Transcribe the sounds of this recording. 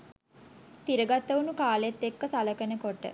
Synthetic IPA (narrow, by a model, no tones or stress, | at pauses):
t̪iɾəɡat̪ːəʋunukaːleet̪ːekːəsaləkənəkoʈə̰